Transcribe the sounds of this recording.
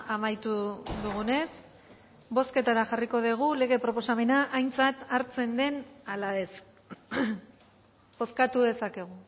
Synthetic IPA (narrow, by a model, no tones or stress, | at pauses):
amajt̪uðuɣ̞une̞s | bo̞ske̞t̪aɾaʝariko̞ðiɣ̞ule̞ɣ̞e̞pɾo̞po̞same̞naʔajnt͡sat̪aɾt͡se̞nd̪e̞nalaes | bo̞skat̪uðe̞sake̞ɣ̞u